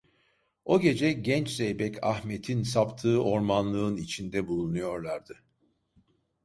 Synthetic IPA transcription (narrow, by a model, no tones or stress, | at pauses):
o̞ɟe̞d͡ʒɛɟɛnt͡ʃzejbɛcʰa̰hmet̪ʰinsapt̪ʰɯːʔo̞ɾmanlˠɯːnit͡ʃʰind̪ɛbulˠunujo̞ɾlˠaɾd̪ɯ